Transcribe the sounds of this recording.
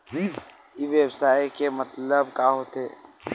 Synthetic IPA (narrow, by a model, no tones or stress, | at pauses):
iʋjəbsaːjkemət̪ləbkaɦoːt̪ḛː